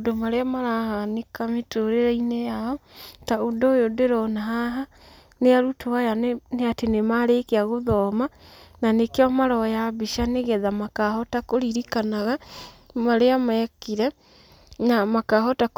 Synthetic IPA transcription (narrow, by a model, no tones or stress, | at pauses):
odomaɾeamaɾahanekametoɾeɾainejaɔtaodojodeɾɔnaɦaɦa | neaɾutowajanneatenemaɾekeaɣoðɔːmananekeɔmaɾɔjaβiʃaneɣɛðamakahɔtakoɾiɾikanaɣamaɾeamɛkiɾɛ | namakaɦɔtak